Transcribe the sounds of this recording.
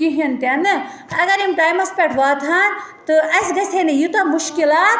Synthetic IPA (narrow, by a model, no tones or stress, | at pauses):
kiɦint̪ɐnɨ | ɐɡɐɾimʈaːjmɐspeʈʰʋaːt̪ʰant̪ɨɐsɡɐsʰenejut̪ɐmuʃkilaːt̪